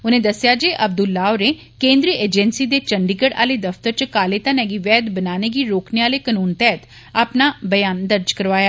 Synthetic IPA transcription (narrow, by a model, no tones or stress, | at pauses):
ʊnẽːd̪əsɪjaːd͡ʒeːʔəb̚d̪ʊlːaːoneː | kẽːnd̪ɾiːʔeːd͡ʒɛnsiːd̪eːt͡ʃəɳɖiːkəɽa̰ːleːd̪əft̪əɾt͡ʃəkaːleːt̪ãːnɛːɡiːʋɛːd̪bənaːneːɡiːɾoːkneːaːleːkənuːnt̪ɛːt̪ | aːpnaːbəjaːnd̪əɾd͡ʒkəɾʋaːjaː